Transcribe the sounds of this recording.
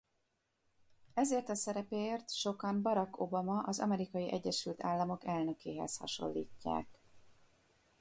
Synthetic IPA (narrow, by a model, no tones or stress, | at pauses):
ɛzeːrt̪ɒsɛɾɛpeeːrt̪ʃo̞kɒmbɒɾɒko̞bɒmɒʔɒzɒ̰mɛɾikɒjiʔɛɟːɛʃylt̪ʰaːlːɒmo̞kɛlnø̞keːɦɛ̰shɒ̰ʃo̞̰lːiːcːa̰ːk